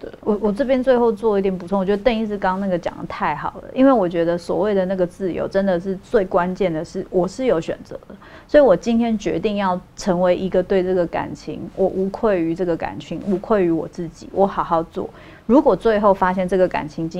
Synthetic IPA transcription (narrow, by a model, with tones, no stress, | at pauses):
ə˨˩wɔ˨˩wɔ˨˩ʈ͡ʂɤ˥˩p̬jɛ˥nt͡swe˥˧ɪxo˥˧ʊt͡swɔ˥˩˧i˥˩t̪jɛ˨˩np̬u˥t͡sʰo˥˧ŋ˨˩t͡ɕɥɛ˧˥d̪ə˧t̪ə˥˧ni˥˧ʂɻ̩˥˧kɑ˥ŋna˥˩ɡə˩t͡ɕjɑ̰˨˩˦ŋə˦t̪ʰa˥˩ɪxɑ˨˩ʊd̪ə̰˦ʔi˦˥nwe˥˩ɪwɔ˨˩t͡ɕɥɛ˧˥d̪ə˧swɔ̰˨˩we˥˩ɪd̪ə˩na˥˩ɡə˩t͡sɹ̩˥˩jo̰˧˥ʊʈ͡ʂə˦nd̪ə˨ʂɻ̩˥˧t͡swe˥˩ɪkwa˦nt͡ɕjɛ˥˩nd̪ə˩ʂɻ̩˥˩wɔ˨˩ʂɻ̩˥˩jo˧˥ʊɕɥɛ̰˨˩nt͡sɤ̰˧˦d̪ə˦ | swɔ˧˥i˨wɔ˨˩t͡ɕi˥nt̪ʰjɛ˥nt͡ɕɥɛ̰˧˥t̪i˥˧ŋjɑ˥˩ʊʈ͡ʂʰə˧˥ŋwe˧˥ɪʔi˧˥ɡə˨t̪we˥˧ɪʈ͡ʂɤ˥˩ɡə˩ka̰˨˩nt͡ɕʰḭ˧˥ŋwʔɔ˨˩ʔu˧˥kʰwe˥˩ɪy˧˥ʈ͡ʂɤ˥˩ɡə˩ka̰˨˩nt͡ɕʰi˧˥ŋu˧˥kʰwe˥˩ɪy˧˥wɔ̰˨˩t͡sɹ̩˥˩t͡ɕḭ˨˩˦wʔɔ˧˥xɑ˨˩ʊxɑ˥˧ʊt͡swɔ̰˥˩ | ɻu˧˥kwɔ˨˩t͡swe˥˧ɪxo˥˩ʊfa˥ɕjɛ˥˧nʈ͡ʂɤ˥˩ɡə˩ka̰˨˩nt͡ɕʰi˧˥ŋt͡ɕi˧